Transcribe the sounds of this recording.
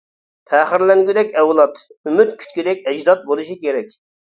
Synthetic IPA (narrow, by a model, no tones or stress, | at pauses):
pʰæχɪɾlɛŋɡʲyd̪ɛkʲɛwlˠɑt̪ymyt̪kʲʰy̥t̪̚kʲid̪ɛkʲɛd͡ʒd̪ɑt̪̚bolˠuʃikʲeɾɛkʲ